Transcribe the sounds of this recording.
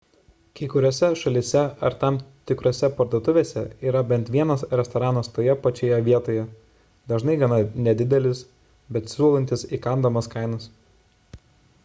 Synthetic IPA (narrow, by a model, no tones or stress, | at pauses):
kɐɪkʊɾʲoːsʲɛʃɐlʲɪsʲɛɐɾt̪ɑˑmt̪ʲɪkɾoːsʲɛpɐɾd̪uɔt̪ʊʋʲeːsʲɛiːɾɐbʲɛnt̪ʋʲiɛnɐsɾʲɛst̪ɔɾɑːnɐst̪oːjɛpɐt͡ʃʲejɛʋʲiɛt̪oːjɛ | d̪ɐʒnɐɪɡɐnɐnʲɛd̪ʲɪd̪ʲɛlʲɪs | bʲɛt̪sʲuɔlˠɐnʲt̪ʲɪsikɐnd̪ɐmɐskɑˑɪnɐs